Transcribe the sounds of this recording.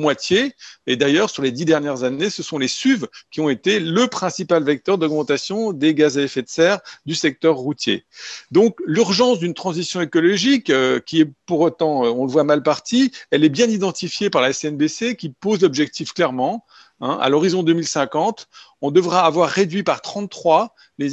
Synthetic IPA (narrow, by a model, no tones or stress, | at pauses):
mwat̪jeed̪ajœʁsyʁled̪id̪ɛʁnjɛʁzanesəsɔ̃lesyvkʲiɔ̃et̪eləpχɛ̃sipalvɛk̚t̪œʁd̪ɔɡmɑ̃t̪asjɔ̃d̪eɡazaefɛt̪sɛʁd̪ysɛk̚t̪œʁːut̪jḛd̪ɔ̃klyʁʒɑ̃sd̪ynt̪χɑ̃zisjɔ̃ekɔlɔʒikøkʲiɛpuʁot̪ɑ̃øɔ̃ləvwamalpaʁt̪iɛlɛbjɛ̃nid̪ɑ̃t̪ifjepaʁlaɛsɛnbesekʲipozlɔbʒɛk̚t̪ifklɛʁmɑ̃ | ɛ̰̃ʔa̰lɔʁizɔ̃d̪ømilsɛ̃kɑ̃t̪ | ɔ̃d̪əvʁaːvwaʁːed̪ɥipaʁt̪χɑ̃t̪ːχwa | le